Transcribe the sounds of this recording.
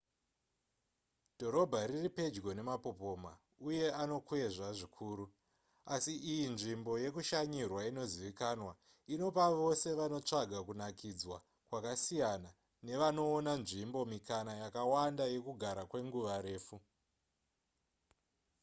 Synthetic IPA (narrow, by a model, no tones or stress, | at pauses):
dʱo̞ɾo̞bʱaɾiripe̞d͡ʒɡo̞ne̞mapo̞po̞ma̰ | uje̞ano̞kue̞ʐaʐikʰuːɾu | asiʔijinʐimbo̞je̞kuʃaɲirwaino̞ziʋikanwa | ino̞paʋo̞se̞ʋano̞t͡ʂaɡʱakunakid͡zwa | kwakasijana | ne̞ʋano̞ːnanʐimbo̞mikanajakawandaje̞kuɡʱaɾakwe̞ŋɡuʋaɾe̞ːfu